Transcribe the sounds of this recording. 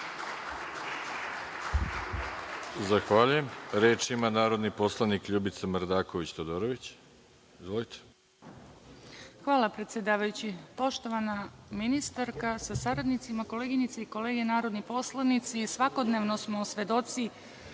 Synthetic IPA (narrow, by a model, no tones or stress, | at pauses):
zaxʋaʎujemɾeːt͡ʃimanaːɾo̞d̪niposlˠanikʎubit̪samɾd̪aːkoʋit͡ɕt̪od̪oɾoʋit͡ɕ | izʋolit̪ʰe̥ | xʋaːlˠapɾe̞t̪sje̞d̪aːʋajut͡ɕipo̞ʃt̪o̞ʋanaminist̪aɾkasasaɾad̪nit̪simako̞leːɡinit̪seiko̞leːɡe̞naːɾod̪nipo̞slˠanit̪sisʋako̞d̪ne̞ʋnosmosʋe̞d̪o̞t̪si